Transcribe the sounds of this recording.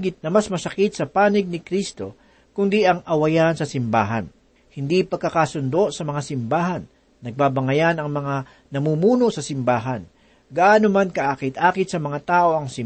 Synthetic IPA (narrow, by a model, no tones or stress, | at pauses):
ɡɪt̪̚nɐmɐsmɐsɐkɪt̪̚sɐpaːnɪɡ̚nɪkɾist̪o̞ | kʊnd̪iʔɐŋʔɐwɐjansɐsɪmba̰ːɦɐn | hɪnd̪ipɐɡkɐkasʊnd̪o̞ʔsɐmɐŋasɪmbaːɦɐnː | ɐɡ̚babɐŋɐjanɐŋmɐŋa | nɐmumuːnosɐsɪmbaːɦɐn | ɡɐʔaːnomankɐʔakɪt̪ʔaːkɪt̪̚sɐmɐŋat̪aːʔo̞ɐŋsɪ